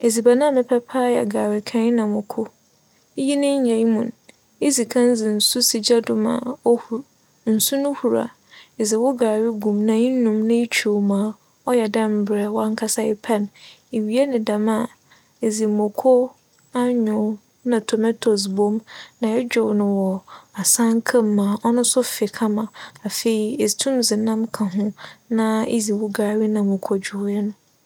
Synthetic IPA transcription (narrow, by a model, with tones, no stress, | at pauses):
e˨zi˨ba˨nã˦˨mɪ̃˨pʰɛ˦pʰaː˦jɛ̰˨ɡaː˨wɪ˨kʰã˦nã˨mʊ̃˨kʰʊ˦ | ji˦nɪ̃˦ɲ˦ɲã˨i˦mũ˨n | e˦zi˨kʰã˦n˦zɪ˨n̩˨sʊ˦si˨d͡ʑa˦dʊ˨mã̰˨˦˨ | n̩˨su˦nʊ̃˦hu˨ɾa̰˨ | e˨zɪ˨wʊ˦ɡaː˨wɪ˦ɡũ˨mnã˨ɲĩ˦nʊ̃˨mnã˦e˦t͡ɕʰo˨mãː˨ | ɔ˦jɛ˨dã˦m̩˨bɾɛ˨wɔ̃˦ŋ˦kʰa˦sa˦ɪ˦pʰɛ˦n | e˨ɥi˨˦e˦nɪ̃˨dã˨ma˦˨ | e˨zi˨mʊ̃˨kʰɔ˦ | a˦ɲʊ̃˨˦ | nã˨tʰo˨mɛ˦tʰo˨s̬bõ˦mnã˨ɛ˦d͡ʑᶣʊ˦˨wnʊ̃˨wɔ˨a˨sã˦ŋ˦kʰã˦mː˨ã˨ʔɔ˦nʊ̃˦sʊ˦fɪ˨kʰa˦mã˨a˨fe˨i˨e˨tʰũ˦mzɪ˨nã˦mkʰã˨ɦʊ̃˦nã˦ḛ˦zi˨wʊ˦ɡaː˨wi˦nã˨mʊ̃˨kʰɔ˦d͡ʑᶣʊ˨˦ɛ˦nʊ̃˦